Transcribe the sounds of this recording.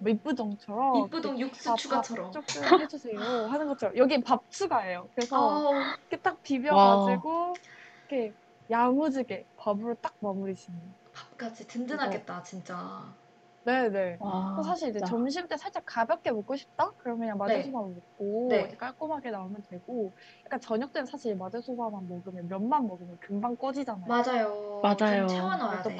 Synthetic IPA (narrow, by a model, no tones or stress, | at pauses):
mip͈udʌŋt͡ɕʰʌɾʌimp͈ːudoŋjuk̚s͈ɯat͡ɕʰuɡat͡ɕʰʌɾʌmt͡ɕ͈ok̚t͈oet͡ɕʰusʰeoɦanɯnɡʌt͡ɕʰʌɾʌjʌɡiepap̚t͡ɕʰuɡae̞jokɯɾe̞sʰʌket͈ak̚pibjʌɡad͡ʑiɡoikʰe | jamud͡ʑiɡe̞pabɯɾot͈ak̚mamuɾiɕʰinʌn | pap̚k͈ad͡ʑʰitɯndɯnaɡet̚t͈at͡ɕint͡ɕ͈a | ne̞ne̞kos̬ʰaɕ̬ʰiɾid͡ʑe̞t͡ɕʌmɕʰimt͈esʰaɭt͡ɕ͈akabjʌk̚k͈e̞mok͈oɕʰi̥p̚t͈akɯɾʌmkɯɲaŋmand͡ʑesʰobanmok̚k͈oneek͈ʰaɭk͈omɦaɡe̞naumjʌntwe̞ɡojak͈ant͡ɕʌɲʌk̚t͈wensʰaɕʰiɾimad͡ʑesʰobamanmʌɡɯmjemjʌnmanmʌɡɯmjʌnkɯŋbaŋk͈ʌd͡ʑid͡ʑanajmad͡ʑajomad͡ʑajooŋanat͈o